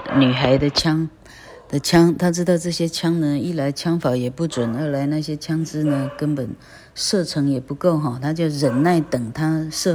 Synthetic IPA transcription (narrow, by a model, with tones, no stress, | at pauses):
ny˨˩xa˧˥ɪd̪ə˧t͡ɕʰjɑ˥ŋ | d̪̥ə˨t͡ɕʰjɑ˥ŋt̪ʰa˥ʈ͡ʂɻ̩˥d̪ɑ˥˧ʊʈ͡ʂɤ˥˩ɕjɛ˥t͡ɕʰjɑ˥ŋnə˨i˥˩la˧˥ɪt͡ɕʰjɑ˥ŋfɑ˧˥ʊjɛ˨˩pu˥˩t͡swə˨˩˦nə˞˧˥la˧˥ɪna˥˩ɕjɛ˥t͡ɕʰjɑ˥ŋʈ͡ʂɻ̩˥nə˨kə˥npə˨˩n | ʂɤ˥˩ʈ͡ʂʰɤ˧˥ŋjɛ˨˩pu˧˥ko˥˩ʊxɔ˥˩t̪ʰa˥t͡ɕjo˥˩ʊɻə˧˥nna˥˩ɪt̪ɤ˨˩ŋt̪ʰa˥ʂɤ˥˧